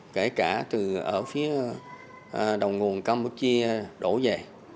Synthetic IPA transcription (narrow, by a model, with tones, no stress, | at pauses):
ke˧˩kaː˧˩t̪ɨ˨˩ʔə̰ː˧˩fi˨˦ə˩ | ɗə˨˩wŋ͡mŋu˨˩ənkaː˧mpu˧˥t̚t͡ɕi˧əɗo˧˩ze˨˩